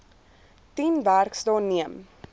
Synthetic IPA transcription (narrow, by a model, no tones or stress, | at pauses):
tinværksdɑːniəm